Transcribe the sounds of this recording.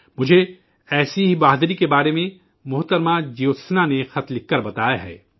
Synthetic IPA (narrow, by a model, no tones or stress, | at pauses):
mʊd͡ʒʱe | ɛːsiɦibaːɦd̪ɾikebaːɾemẽ | mʊɦt̪əɾmad͡ʒijoːt̪snanexɐt̪lɪkːɐɾbɐt̪aːjaɦɛ̰ː